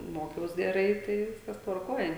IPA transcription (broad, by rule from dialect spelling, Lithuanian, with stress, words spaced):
ˈmoːkʲɛʊs ɡʲɛˈrɐɪ ˈtɐɪ ˈʋʲɪskɐs tʋɐrˈkoːj